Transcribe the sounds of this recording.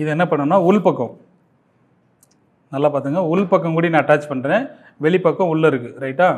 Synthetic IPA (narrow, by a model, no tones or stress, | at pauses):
ɪðɛnːɐpɐɳːɐnːaːʊlpɐkːɐ̃ | nɐlːaːpaːɾt̪ɯːŋɡɐʊlpɐkːɐ̃ŋkuːɽinãːɐʈːaːt͡ʃpɐɳɾẽː | ʋɛɭɪpɐkːɔ̃ʊɭːɐɪɾɯkːɯɾɐɪʈːaː